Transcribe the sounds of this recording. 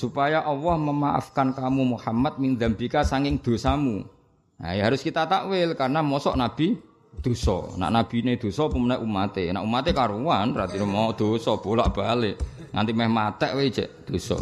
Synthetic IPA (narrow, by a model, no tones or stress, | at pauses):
supajaʔɔwɔhməmaʔa̰fkankamumuhamat̪̚mind̪ambikasaŋkɪŋd̪̥o̤samu | a̰jɦaɾʊskit̪at̪awɪlkarnamɔsɔ̰ʔnab̥i̤ | d̪̥o̤sɔ̰na̰ʔnab̥i̤ned̪̥o̤sɔpumənaʔumat̪ena̰ʔumat̪ekaɾuwanrat̪inemɔɔʔd̪̥o̤sɔb̥o̤la̰ʔb̥ale | ŋant̪imɛhmat̪ɛʔwe̥d͡ʒ̥ɛ̰ʔd̪̥o̤sɔ̰